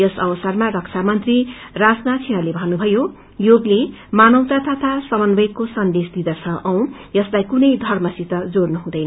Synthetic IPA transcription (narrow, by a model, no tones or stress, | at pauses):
jʌsʌbʌsʌrmarʌksʰamʌnt̪rirasnat͡sʰeɽ̃ʌlebʱʌnːubʱʌjo | joɡle | manʌw̃t̪at̪ʰʌt̪ʰasʌmʌnbʌjkːosʌnd̪esd̪id̪ʌt͡sʰʌʔʌw̃ | jʌslajkunʌjd̪ʱʌrmʌsit̪ʌd͡zornuɦũd̪ʌjnʌ